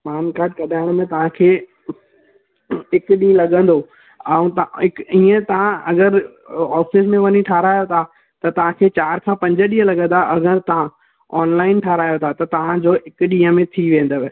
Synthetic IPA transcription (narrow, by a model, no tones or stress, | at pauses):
paːnkaːɾʈ̚kɐɗaːɽ̃mẽt̪ɐʋ̤ãkʰeː | ɪkɗĩːə̃lɐɠə̃nd̪o | ɛũt̪ɪkiːə̃t̪ɐʋ̤ãɐɡəɾ | ɔːfɪs̬mẽʋɐɲiʈʰaːɾaːjot̪ʰa | t̪ɐt̪ɐʋ̤ãkʰeːt͡ɕaːɾkʰãpɐ̃ɲd͡ʑəɗĩɦəlɐɡə̃nd̪aʔɐɡəɾt̪ɐʋ̤ã | ɔːnlaːɪnʈʰaːɾaːjot̪ʰat̪ɐt̪ɐʋ̤ãd͡ʑoːɪkɗĩːə̃mẽt̪ʰiʋẽːnd̪oʋ